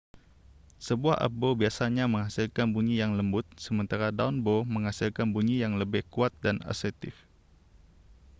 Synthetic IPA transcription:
səbuaha̰bobiasaɲaməŋhasilkanbuɲijaŋləmbʊt̪̚səmənt̪aɾadaunboməŋɦasilkanbuɲijaŋləbɪhkuat̪̚dana̰sɛt̪ɪf

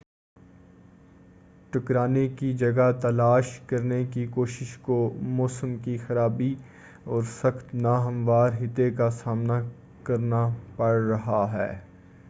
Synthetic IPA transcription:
ʈʊkɾaːnekid͡ʒɐɡat̪ɐlaːʃkɐɾnekikoːʃɪʃkomoːsəmkixɐɾaːbi | ɔːɾsɐxt̪naːɦɐ̃mʋaːɾɦɪt̪ekasaːmna | kɐɾnapɐɽɾɐɦaɦɛː

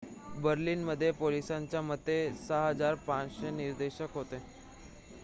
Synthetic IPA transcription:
bəɾliːnməd̪ʱːjepolisãɲt͡ɕjamət̪ːesəɦəd͡zaɾpãt͡ɕɕeniɾd̪eɕəkɦot̪e

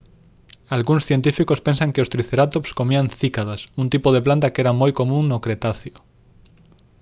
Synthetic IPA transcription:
alɣuŋsθjent̪̬ifikospẽnsaŋkeost̪ɾiθeɾat̪opskomianθikaðasunt̪ipoðeplant̪akɛɾamojkomũŋnokɾet̪aθjo

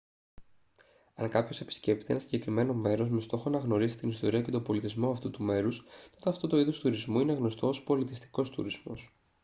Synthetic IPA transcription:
ɐŋkɐpço̞se̞pi̥sce̞p̚t̪t̪enɐsiɲɟe̞kɾime̞no̞me̞ɾo̞zme̞st̪o̞xo̞nɐɣno̞ɾisi̥t̪inist̪o̞ɾiɐce̞t̪o̞bo̞lit̪izmo̞ɐft̪ut̪ume̞ɾust̪o̞t̪e̞ɐft̪o̞t̪o̞iðo̞st̪uɾizmuine̞ɣno̞st̪o̞ːspo̞lit̪ist̪i̥ko̞st̪ṵɾizmo̞̰s

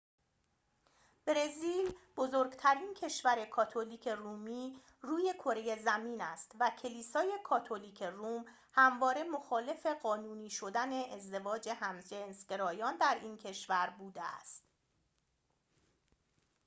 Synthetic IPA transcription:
b̥ɾe̞ziːlb̥ozoːɾɡt̪ʰæɾiːncʰe̞ʃvæɾe̞kʰɒːt̪ʰoliːcʰe̞ruːmiː | ruːje̞kʰo̞ɾeje̞zæmiːnæst̪væcʰe̞liːsɒːje̞kʰɒːt̪ʰo̞liːcʰe̞ruːm | hæmvɒːɾe̞mo̞xɒːle̞fe̞ɢɒːnuːniːʃo̞d̪æne̞ːzd̪e̞vɒːd͡ʒe̞hæmʒensɡ̥ʲe̞ɾɒːjɒːnd̪æɾiːncʰe̞ʃvæɾbuːd̪eæ̰st̪

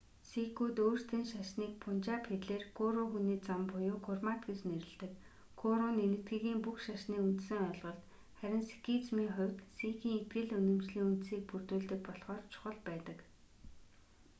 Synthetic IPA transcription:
sikʰuːt̪oːr̥st̪ʰĭːnʃaʃniːk̚pʰʊn̥t͡ɕaːpxet̪ɮeːrkʰʊɾʊxuniːt͡sampʊjʊːkʰʊrmat̪ɡet͡ɕneɾɘ̆ɮt̪ɘ̆k | ɡʰʊɾʊːnenɘ̆kʰt̪ɡɘ̆ɣiːmpuxʃaʃniːunt̪sɘ̆ŋʊɮʁɞ̆ɮt̪ | χæɾʲɪ̆nse̥kʰit͡smiːŋχʊ̟wʲt̪sikiːŋet̪ɡɘ̆ɮɵnɵ̆mt͡ɕɮiːŋunt̪siːk̚purt̪uːɮt̪ɘ̆k̚pɔɮʁɔːrt͡ɕʰʊ̥χə̆ɮpæːt̪ə̆k

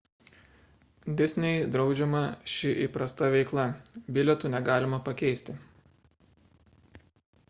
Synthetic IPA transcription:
d̪ʲɪsʲnʲɛɪd̪ɾɒʊd͡ʒʲɛmɐʃʲɪʔipɾɐst̪ɐʋʲɛɪklˠɐbʲɪlʲɛt̪uːˑnʲɛɡɑːlʲɪmɐpɐkʲɛɪsʲt̪ʲɪ

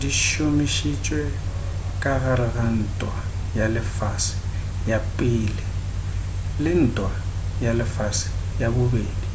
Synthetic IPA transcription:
diʃomɪʃit͡ʃʼwɛ | kʼaɣaɾɪɣan̩tʼwa | jalɪfasɪ̥ | japʼɪːlɪ | lɪn̩tʼwa | jalɪfasɪ̥ | jabʊbeːdi

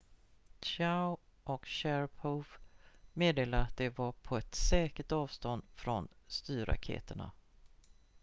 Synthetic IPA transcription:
t͡ʃaʊʔɔkɕæɾpʰɔfmeːd̪eːlaɾat̪̚d̪ɛvapʰɔɛt̪sɛːkəʈ̪ɑːvst̪ɔnd̪fɾɔnst̪yːɾa̰kʰḛːt̪əɳa̰

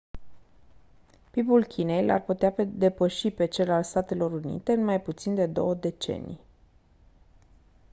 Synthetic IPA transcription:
pipulkʲine̞jlʔa̰rput̪ead̪e̞pəʃipe̞t͡ʃe̞lalst̪at̪e̞lo̞ɾunḭt̪e̞ɨnmajput̪sind̪e̞d̪o̞wəd̪e̞t͡ʃe̞̰nḭj

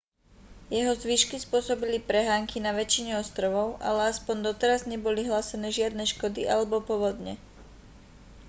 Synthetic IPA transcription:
jɛɦɔzʋiʃkispʊɔsɔbilipɾɛɦaːŋkinaʋɛt͡ʃiɲɛɔst̪ɾɔʋɔʊʔa̰lɛaspɔnd̪ɔt̪ɛɾazɲɛbɔliɦlaːsɛnɛːʒɪad̪nɛʃkɔd̪iʔalɛbɔpɔʋɔd̪ɲɛ̰

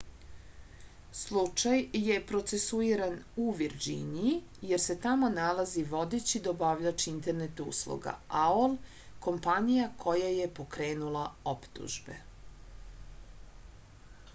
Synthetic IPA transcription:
slˠut͡ʃajjepɾo̞t̪se̞suiɾanuʋiɾd͡ʑḭniji | jeɾse̞t̪amo̞nalˠaziʋo̞d̪et͡ɕid̪aobaʋʎat͡ʃiint̪e̞ɾnet̪ṵslˠṵɡa̰aol | ko̞mpanijakʰo̞jaje̞po̞kɾeːnulˠaopt̪ṵʒbe̞̰

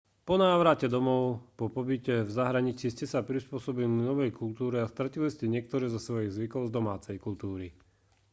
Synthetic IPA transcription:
pɔnaːʋɾacɛd̪ɔmɔʊpɔpɔbicɛvzaɦɾaɲit͡siːscɛsapɾispʊɔsɔbilinɔʋɛjkult̪uːɾɛast̪ɾaciliscɛɲɪɛk̚t̪ɔɾɛːzɔsʋɔjiɣzʋikɔʊzd̪ɔmaːt͡sɛjkult̪uːɾi

